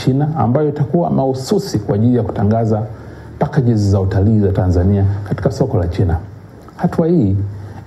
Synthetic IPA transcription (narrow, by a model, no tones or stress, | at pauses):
t͡ʃinaa̰mbajɔitakuwa̰mahususikwaʄilijaku̥taŋɡaza | pakaʄɛzizautaliːzatanzaniakati̥kasɔkɔlat͡ʃina | hatuwahiː